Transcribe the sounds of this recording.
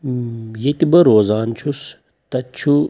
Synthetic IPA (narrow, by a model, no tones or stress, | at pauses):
jet̪ibɐɾoːzaːnt͡ʃʰus | t̪ɐt͡ʃʰu